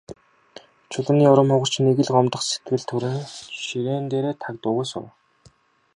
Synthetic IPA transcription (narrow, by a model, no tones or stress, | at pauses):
t͡ɕʰʊɮə̆niːʊɾə̆mχʊʁə̆r̥t͡ɕneɣɘ̆ɮɢɔmt̪ə̆χset̪̚ɡɘ̆ɮt̪ʰɵɾɘ̆nʃiɾeːnt̪eːɾeːt̪ʰakt̪ʊɣeːsʊ̰w